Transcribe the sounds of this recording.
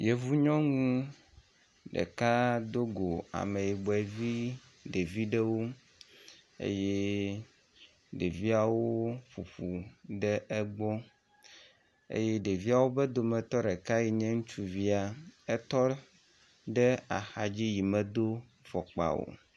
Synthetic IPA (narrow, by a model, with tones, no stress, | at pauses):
je˨vu˦ɲɔ̃˦ŋũ˦ | ɖɛ̰˨ka˦d̪o˦ɡo˨a̰˨me˨ji˨ɡ͡bɔ˨ɛ˨vi˦ | ɖe˨vi˦ɖɛ˦wo˦ | ḛ˦je˦ | ɖe˨vi˦a˨wo˦ɸu˨ɸu˨ɖɛ˦ʔɛ˦ɡ͡bɔ˦ | ḛ˦jɛ˦ɖe˨vi˦a˨wo˦bɛ˦d̪o˨mɛ˨t̪ɔ˦ɖɛ˨ka˦ji˨ɲɛ̃˦ŋũ˦t͡ʃu˦vi˦a˨ɛ˦t̪ɔ˦ | ɖɛ˦a˨xa˨d͡ʑi˦ji˨mɛ˨d̪o˦ | fɔ˨k͡pa̰˨wo̰˨